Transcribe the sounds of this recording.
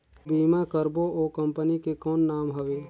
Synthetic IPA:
biːmakəɾboʔoːkɐ̃mpənikekɔːnːaːmɦɐʋeː

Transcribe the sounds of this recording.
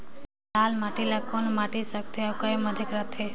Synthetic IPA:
laːlmaʈilakonmaʈisək̚t̪eakəjməd̪ʱikɾət̪ʰe

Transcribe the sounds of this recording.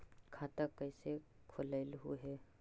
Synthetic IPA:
kʰaːt̪əkəɪse | kʰʊlaɪlɦṵɦɛː

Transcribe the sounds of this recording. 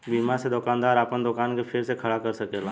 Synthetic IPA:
biːmaɾsed̪ʊkaːnd̪aːɾaːpənd̪ʊkaːnkepʰɪɾsekʰɐɽakɐɾsɐkeːlaː

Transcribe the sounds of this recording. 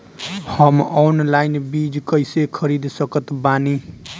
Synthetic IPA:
hʌmonlajnbid͡zkʌjsekʰʌɾid̪sʌkʌt̪bani

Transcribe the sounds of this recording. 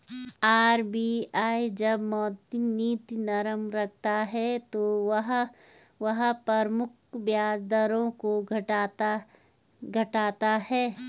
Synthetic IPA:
aːɾbiːaːid͡ʒɐbmɔːd̪niːt̪inɐɾəmɾɐk̚ʰt̪aɦɛt̪oɐɦ | ʋɐɦpɐɾmʊk̚ʰ | ʋjaːd͡ʒd̪aɾõkoɡʱt̪ | ɡʱɐʈaːt̪aɦɛː

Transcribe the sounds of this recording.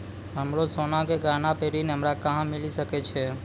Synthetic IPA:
ɦəmɾosonãkeɡanapeɾineɦəmɾakãɦãmɪliʃəket͡ʃʰe

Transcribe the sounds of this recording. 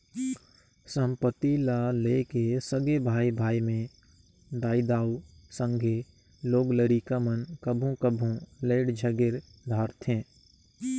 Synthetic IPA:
sə̃mpət̪ilalekesəɡebʱaːibʱaːimẽ | d̪aːid̪aːusə̃ŋɡʱe | loːɡləɾikamənkəbʱũkəbʱũleːɽd͡ʒʱəɡeɾ | d̪ʱaːɾt̪ʰɦẽː

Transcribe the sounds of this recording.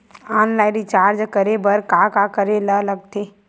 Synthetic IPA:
aːnlaːɪɾit͡ʃaːɾd͡ʒkəɾebɐɾkaːkakəɾelɐlɐɡ̚t̪ʰe

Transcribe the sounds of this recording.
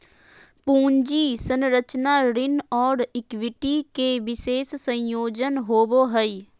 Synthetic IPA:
puːɲd͡ʒiːsə̃nɾət͡ʃnaɾɪnɔːɾɪkʋɪʈikeʋɪseːsːə̃joːd͡ʒənɦoːboɦəi

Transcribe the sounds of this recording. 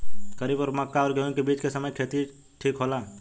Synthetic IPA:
kəɾiːbɔːɾməkːaɔːɾɡeũkebiːt͡ʃkesəməjkʰeːt̪i | ʈʰiːkɦoːlaː

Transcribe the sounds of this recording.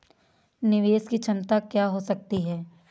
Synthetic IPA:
nɪʋeːskit͡ʃʰɐ̃mt̪akjaːɦosɐk̚t̪iɦɛː

